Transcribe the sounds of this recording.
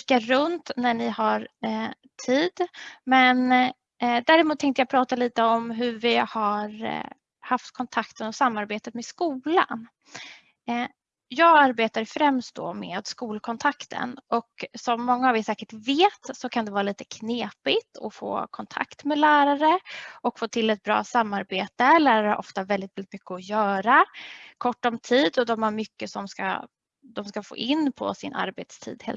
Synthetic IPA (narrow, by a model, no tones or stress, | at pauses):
kːaɾɵnt̪næɳɪhaɾ | tʰiːd̪mɛn | d̪æːɾɪmuːt̪ʰːɛŋt̪əjɑɡpʰɾɑːt̪aliːt̪əɔmɦɵvɪhaɾ | haft̪kʰɔnt̪ʰakt̪ənɔsamːaɾbeːt̪ət̪mɛskuːla̰n | jɑːɡaɾbeːt̪aɾfɾɛmst̪̚d̪ɔ̰mḛːd̪skuːlkʰɔnt̪ʰakt̪ʰə̰nʔɔksɔmːɔŋːaːvɪsɛːkəʈveːt̪sɔkʰand̪ɛvɑːɾaliːt̪ə̥kʰneːpɪt̪ʰɔ̰fo̰ːkʰɔnt̪ʰa̰kt̪mɛlæːɾaɾəɔkfoːt̪ʰɪlːɛt̪̚bɾɑ̰ːsamːaɾbeːt̪əlæːɾaɾaʔɔ̰ft̪avɛld̪ɪt̪̚vɛlɪt̪mʏkːəɔjœːɾakʰɔʈːɔmt̪ʰiːd̪ɔd̪ɔmhaɾmʏkːəsɔmska̰ | d̪ɔmskafo̰ːʔɪnːpʰɔ̰sɪnʔa̰ɾbeːt̪st̪ʰḭːd̪hḛːl